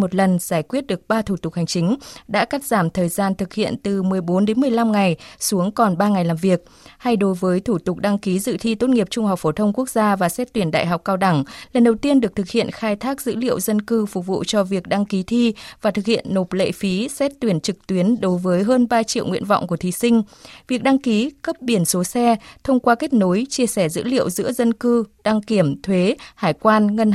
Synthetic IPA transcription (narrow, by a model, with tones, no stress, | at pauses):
mo˨˩t̚lə˨˩nz̥aː˧˩jkwi˦˥ət̚ɗɨ˨˩ək̚ɓaː˧t̪ʰu˧˩t̪ʊ˨˩k̚ha˨˩jŋ̟t͡ɕï˨˦ŋ̟ɗa̰ː˧˥ka˦˥t̚zaː˧˩mt̪ʰəː˨˩jzaː˧nt̪ʰɨ˨˩k̚hḭ˧˨ənt̪ɨ˨˩mɨ˨˩əjɓo˨˦nɗe˨˦nmɨ˨˩əjla˧mŋa˨˩jsu˨˦əŋkɔ˨˩nɓaː˧ŋa˨˩jlaː˨˩mvi˨˩ək̚ | ha˧jɗo˨˦jvəː˨˦jt̪ʰu˧˩t̪ʊ˨˩k͡p̚ɗa˧ŋki˨˦zɨ̰˧˨t̪ʰi˧t̪o˦˥t̚ŋi˨˩əp̚t͡ɕʊ˧ŋ͡mhɦa˨˩wk͡p̚fo˧˩t̪ʰə˧wŋ͡mku˦˥ək̚zaː˧vaː˨˩sɛ˦˥t̚t̪wi˧˩ənɗa̰ː˧˨jɦa˨˩wk͡p̚kaː˧wɗa˧˩ŋlə˨˩nɗə˨˩wt̪i˧ənɗɨ˨˩ək̚t̪ʰɨ˨˩k̚hḭ˧˨ənxaː˧jt̪ʰaː˦˥k̚z̥ɨ̰˧˥lḭ˧˨əwzə˧nkɨ˧fʊ˨˩k̚vṵ˧˨t͡ɕɔ˧vi˨˩ək̚ɗa˧ŋki˨˦t̪ʰi˧vaː˨˩t̪ʰɨ˨˩k̚hḭ˧˨ənːo˨˩p̚lḛ˧˨fi˨˦sɛ˦˥t̚t̪wi˧˩ənt͡ɕɨ˨˩k̚t̪wi˨˦ənɗo˨˦jvəː˨˦jɦəː˧nɓaː˧t͡ɕḭ˧˨əwŋḭ˧ənvɔ̰˧˨wŋ͡mku˧˩ət̪ʰi˨˦sï˧ŋ̟vi˨˩ək̚ɗa˧ŋki˨˦kə˦˥p̚ɓi˧˩ənso˨˦sɛ˧t̪ʰə˧wŋ͡mkwaː˧ke˦˥k̚no˨˦jt͡ɕi˧əsɛ˧˩zɨ̰˧˥lḭ˧˨əwzɨ̰˧˥əzə˧nkɨ˧ɗa˧ŋki˧˩əmt̪ʰwe˨˦haː˧˩jkwaː˧nŋə˧n